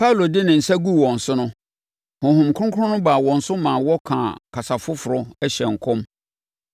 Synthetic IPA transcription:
pʰa˦u˨lo˨dɪ˦nɪ̃˨n̩˨sa˦ɡu˦wɔ̃˨n̩˨sʊ˦nʊ̃˦ | hʊ̃˨hʊ̃˨mkʰʊ̃˦kʰʊ˦ʊ̃˦nʊ̃˦ba˨wɔ̃˨n̩˨sʊ˦mã˨wɔ˦kʰã˨kʰa˨sa˨fʊ˦fʊ˨ɾʊ˦ɛ˦ɕɛ̃˨ŋ̩˨kʰʊ̃˦m

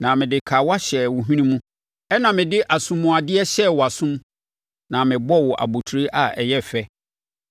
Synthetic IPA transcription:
nã˨mɪ̃˨dɪ˨kʰa˨wa˦ɕɛ˨wʊ˨ɦĩ˦nĩ˦mũ˦ | ɛ˦nã˨mɪ̃˨dɪ˦ʔa˨sũ˦mːũ˨a˨dɪ˦ɛ˦ɕɛ˦˨wɔ˨a˨sʊ̃˦m | nã˨mɪ̃˨bɔ˦wɔ˨ʔa̰˨bo˨tʰu˨ɾi˦ʔa˨ɛ˨jɛ˦fɛ˦

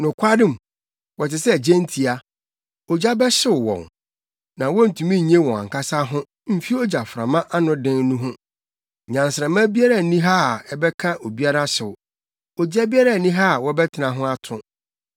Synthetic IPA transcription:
nʊ̃˨kʷʰa˦dɪ̃˦˨m̩˨ | wɔ˨tɪ˨sɛ˦˨d͡ʑɛ̃˦n̩˦tʰi˨a˨ | ɔ˨d͡ʑa˦bɛ˦ɕɪ˨ʊ˨wɔ̰̃˨n | nã˨wɔ˦n̩˨tʰũ˨mĩ˦˨ɲẽ˦wɔ̃˨a̰˨ŋ˨ka˦sa˦ɦʊ̃˦ | m̩˦fi˦ɔ˦d͡ʑa˨fɾã̰˨mã˦ʔa˦nʊ̃˦dɪ̃˦nnũ˦ɦʊ̃˦ | ɲã˨n˨sɾɛ˨mã˦bi˦a˦ɾa˦˨nĩ˦ɦa˦˨ɛ˨bɛ˦kʰã˦ʔo˨bi˦a˦ɾa˦ɕɪ˨wʊ˨ | ɔ˨d͡ʑa˦bi˦a˦ɾa˦˨nĩ˦ɦa˦˨wɔ˦bɛ˦tʰɪ˨nã˨ɦʊ̃˦a˦tʰʊ̃˦

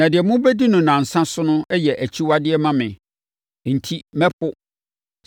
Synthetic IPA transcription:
nã˨dɪ˨ɛ˨mʊ̃˦bɛ˦di˦nʊ̃˨nã˨n̩˨sã˦sʊ˦nʊ̃˦ɛ˦jɛ˨ʔæ˨t͡ɕʰi˦wa˦dɪ˦ɛ˦mã˦mɪ̃˨ | n̩˨tʰi˦mɛ̃˦pʰʊ˦

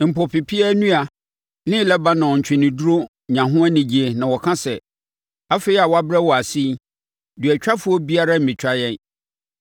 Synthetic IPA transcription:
m̩˨pɔ˨pʰɪ˨pʰi˦ɛ˦nũ˦a˨ | nɪ̃˦lɛ˦ba˦nã˨ɔ˨ɲ̩˨t͡ɕᶣʰɪ̃˨nɪ̃˨du˦ɾo˦ | ɲã˨ɦʊ̃˦a˦nɪ̃˨d͡ʑi˨˦e˨nã˨wɔ˨kʰã˦sɛ˨ | a˦fe˦i˦a˨wa˦bɾɛ˦wɔ˨a˨si˦ | dɥɛ˨t͡ɕᶣa˦fʊ˦ɔ˦bi˦a˦ɾa˦m̩˨mɪ̃˨t͡ɕʰᶣa˦jɛ̃˦n

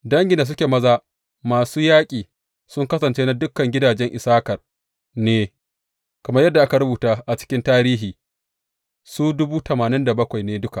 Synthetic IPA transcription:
dɐ˦ŋɡʲɪ˨nda˨s̬ʊ˦kʲeː˨mɐ˦zaː˦ | maː˨suː˦jaː˦kʲʼiː˨ | sʊ˦ŋkɐ˦sɐ˨nt͡ʃeː˦na˦dʊ˦kːɐ˨ŋɡʲɪ˦daː˨d͡ʒɛ˦ŋʔɪ˨saː˦kɐ˨r | neː˦ | kɐ˨mɐ˦rjɐ˦dːa˨ʔa˦ka˨ɾʊ˦buː˨taː˦ʔa˨t͡ʃɪ̥˦kʲɪ˦ntaː˦ɾiː˦ɦiː˨ | suː˦dʊ˦buː˦tɐ˨maː˨nɪ˦nda˨bɐ˦kʷa˨jneː˦dʊ˦ka˨ʔ

